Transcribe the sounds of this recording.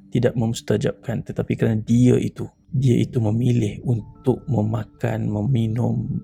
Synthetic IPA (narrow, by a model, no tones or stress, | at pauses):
t̪idaʔmə̃mst̪ad͡ʒap̚kant̪ət̪apikəɾanadiəʔit̪u | diəʔit̪uməmilɪhunt̪ʊk̚məmaka̰nməminʊm